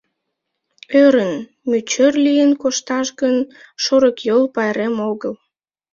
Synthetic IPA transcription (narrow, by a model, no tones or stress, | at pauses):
øɾən | myt͡ɕørlijənkoʃt̪ɑʃɣən | ʃoɾəkjolpɑjɾemoɣəl